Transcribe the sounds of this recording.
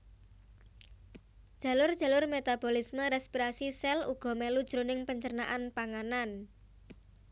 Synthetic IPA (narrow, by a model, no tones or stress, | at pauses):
d̥ʒ̥ä̤lʊrd̥ʒ̥a̤lʊrmet̪ab̥o̤lisməɾɛspiɾasisɛlṵɡ̥ɔ̤melud̥ʒ̥ɾonɪŋpəɲt͡ʃərnaʔanpaŋanan